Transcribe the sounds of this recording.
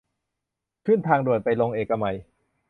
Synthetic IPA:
kʰɯ˥˩nt̪ʰaː˧ŋdu˨˩ət̪̚pa˧jlo˧ŋʔeː˨˩kːa˧ma˨˧˩j

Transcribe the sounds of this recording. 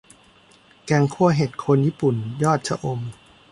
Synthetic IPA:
kɛː˧ŋkʰu˥˩ɐɦe˨˩t̪̚kʰo˧njiː˥˩pu˨˩njɔː˥˩t̪̚t͡ɕʰa˧ʔo˧m

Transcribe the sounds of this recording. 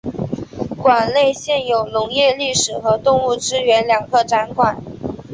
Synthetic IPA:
kwa˨˩nle˥˧ɪɕjɛ˥˩njo˨˩ʊnʊ˧˥ŋjɛ˥˧li˥˩ʂɻ̩˨˩xɤ˧˥t̪ʊ˥˧ŋu˥˩ʈ͡ʂɻ̩˥ɥɛ˧˥nljɑ˨˩ŋkɤ˥˩ʈ͡ʂa˧˥nkʰwa˨˩˦n

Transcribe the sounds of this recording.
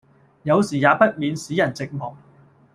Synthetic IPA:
jɐ˨˧wsiː˨˩jaː˨˧pɐ˥t̚miː˨˧nsiː˨˥jɐ˨˩nt͡sɪ˨k̚mɔː˨˩ŋ

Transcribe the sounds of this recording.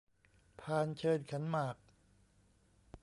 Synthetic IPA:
pʰaː˧nt͡ɕʰɤː˧nkʰa˩˦nmaː˨˩k̚

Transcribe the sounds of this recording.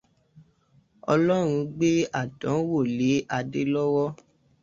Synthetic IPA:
ɔ̰˧lɔ˦ɾ̃ũ˧ɡ͡be˦a˦˨dɔ̃˨˦wo˦˨le˨˦ʔa˧de˦lɔ˦wɔ˦

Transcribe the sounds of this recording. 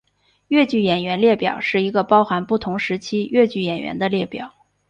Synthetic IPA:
ɥɛ˥˧t͡ɕy˥˩jɛ˨˩nɥɛ˧˥nljɛ˥˩pjɑ̰˨˩ʊʂɻ̩˥˩i˧˥ɡə˧pɑ˥ʊxa˧˥npu˥˩t̪ʰʊ˧˥ŋʂɻ̩˧˥t͡ɕʰi˥ɥɛ˥˧t͡ɕy˥˩jɛ˨˩nɥɛ̰˧˥nd̪ə˧ljɛ˥˩pjɑ˨˩˦ʊ

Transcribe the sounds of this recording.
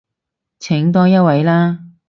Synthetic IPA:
t͡sʰɪ˨˥ŋt̪̬ɔː˥jɐ˥t̚wɐ˨˧jlaː˥

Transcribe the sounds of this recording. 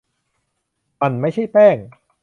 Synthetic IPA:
ma˧nma˥˩jt͡ɕʰa˥˩jpɛː˥˩ŋ

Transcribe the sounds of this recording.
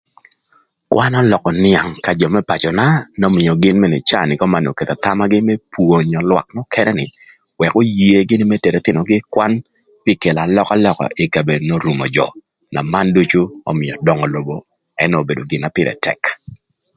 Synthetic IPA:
kwʔa˦nɔ˦lɔ˨kɔ˨nɪa˨ŋka˨d͡ʒɔ˨mɛ˦pa˨t͡ʃɔ˨na˦nɔ˦mɪ˨jɔ˨ɡɪ˦nmɛ˦˨nɛ˨t͡ʃa˦˨nɪ˨kɔ˦ma˨no̰˨ke˨t̪a˨t̪a˦ma˦ɡɪ˦mɛ˦pwo˨ɲɔ˨lwa̰˨k̚nɔ˦kʰɛ˦nɛ˦nɪ˨ | wɛ˨ko˦je˦ɡɪ˦nɪ˦mɛ˦te˨ɾe˨t̪ɪ˨nɔ˨ɡɪ˦kwa˦n | pɪ˦ke˨la˨lɔ˦ka˦lɔ˨kɔ̰˨ʔɪ˨ka˨be˨no˦ɾu˨mɔ̰˨d͡ʒɔ̰˨ | na̰˨ma˦ndo˦t͡ʃo˦o̰˦mɪ˨ɔ˨dɔ˨ŋɔ˨lo˨bo˨ | ɛ˦no˨be˨do˨ɡɪ˨na˨pɪ˦ɾʔɛ̰˨tʰɛ̰˨k

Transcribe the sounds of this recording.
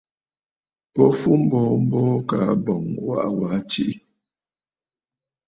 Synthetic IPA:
pɔ˦fu˦m̩˦bɔ˨˦m̩˦bɔ˦ka˨˦bɔ˨ŋwa̰˦ʔwa˨˦t͡ʃi˦ʔi˦

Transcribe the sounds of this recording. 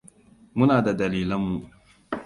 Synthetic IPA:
mʊ˦naː˨da˨dɐ˨liː˨lɐ˦mːu˨

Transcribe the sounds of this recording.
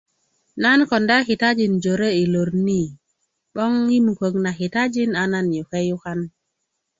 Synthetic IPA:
na˦nko˨nda˦xi˨ta˦d͡ʒi˨nd͡ʒo˨ɾe˦i˨lo˨ɾni˦˨ | ɓɔ˦ŋji˦mu˨ko˨kna˨xi˨ta˦d͡ʒi˦na˨na˦njo˨ke˦ju˦ka˦n

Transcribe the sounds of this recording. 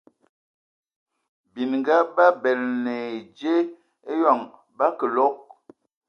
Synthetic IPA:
bi˨nŋ˨ɡa˦ba˦bɛ˨lne˨d͡ʒe˦ | e˦jɔ˦˨ŋ | ba˦kə˨lo˦k̚

